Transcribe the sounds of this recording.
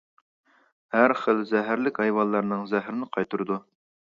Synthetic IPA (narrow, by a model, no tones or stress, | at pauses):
hæɾχəlzæɦæɾlɪkʲɑjwɑlˠːɑɾnɨŋzæɦɪɾnɪqʰɑjt̪ʰuɾd̪u